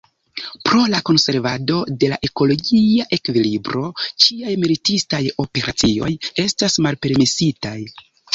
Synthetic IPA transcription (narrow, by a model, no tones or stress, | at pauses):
pɾo̞lako̞nse̞ɾvado̞de̞laʔe̞ko̞lo̞ɡiaʔe̞kvilibɾo̞t͡ʃiajmilitistajo̞pe̞ɾʔa̰t͡sio̞̰je̞stasmalpe̞ɾmesitaj